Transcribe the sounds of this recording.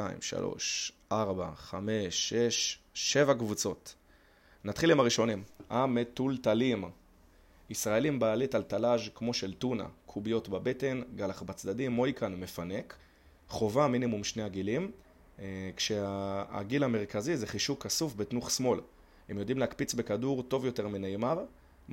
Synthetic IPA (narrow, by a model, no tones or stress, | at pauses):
aḭmʃa̰lo̰ʃʔaʁbaχame̞ʃːe̞ʃʃe̞vakvut͡so̞t | nat̪χilimaʁiʃo̞nimametultalim | isʁae̞limbaːlitaltalaʒkmo̞ʃeltuna̰kʰubijo̞tbabete̞nɡalaχbat͡sdadimːo̞jkʰanme̞fane̞k | χo̞vaminimumʃneaɡilim | kʃea̰ɡilame̞ʁ̞kazizeχiʃukasufbetnuχsmo̞l | hemjo̞dimleakpit͡sbe̞kaduʁto̞vjo̞te̞ʁminejmaʁ